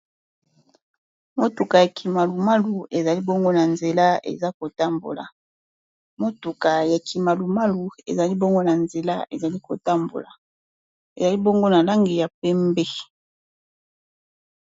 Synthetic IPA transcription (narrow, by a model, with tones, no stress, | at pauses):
mo˦tu˨ka˨ja˨kʰi˨ma˨lu˨ma˦lu˨e˨za˨li˦bo˦ŋɡo˦na˨nze˨la˦ḛ˨za˦ko˨ta˦mbo̰˨la̰˨ | mo˦tu˨ka˨ja˨ki˨ma˨lu˨ma˦lu˨ḛ˨za˨li˦bo˦ŋɡo˦na˨nze˨la̰˦ḛ˨za˨li˦ko˨ta˦mbo̰˨la˨ | ḛ˨za˨li˦bo˦ŋɡo˦na˨la˦ŋɡi˨ja˨pɛ˦mbɛ˦